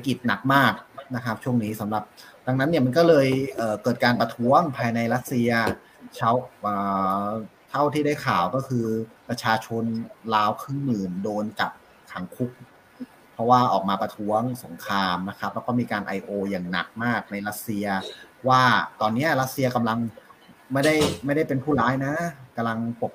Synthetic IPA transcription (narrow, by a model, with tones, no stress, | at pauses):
a˦˥ki˨˩t̪̚na˨˩k̚maː˥˩k̚na˦˥kʰa˦˥p̚t͡ɕʰu˥˩əŋniː˦˥sa˩˦mɾa˨˩p̚da˧ŋna˦˥nːi˥˩ma˧nkɔː˥˩lɤː˧jʔɤː˨˩kɤː˨˩t̪̚kaː˧npɾa˧t̪ʰu˦˥ɐəŋpʰaː˧jna˧jɾa˦˥t̪̚si˧ɐ | t͡ɕʰa˦˥˩wʔɤː˨˩ | t̪ʰa˥˩wt̪ʰiː˥˩daː˥˩jkʰaː˨˩wkɔː˥˩kʰɯː˧pɾa˧t͡ɕʰaː˧t͡ɕʰo˧nlaː˦˥wkʰɾɯː˥˩ŋmɯː˨˩ndoː˧nt͡ɕa˨˩p̚ | kʰa˩˦ŋkʰu˦˥k̚ | pʰɾɔ˦˥waː˥˩ʔɔː˨˩k̚maː˧pɾa˧t̪ʰu˦˥ɐŋso˩˦ŋkʰaː˧mna˦˥kʰɾa˦˥p̚lɛː˦˥kɔː˥˩miː˧kaː˧nʔa̰˧jʔoː˧jaː˨˩ŋna̰˨˩k̚maː˥˩k̚na˧jɾa˦˥t̪̚si˧ɐwaː˥˩t̪ɔː˧nːi˦˥ɐɾa˦˥t̪̚si˧ɐka˧mla˧ŋma˥˩jda˥˩jma˥˩jda˥˩jpe˧npʰuː˥˩laː˦˥jna˦˥ka˧mla˧ŋpo˨˩p̚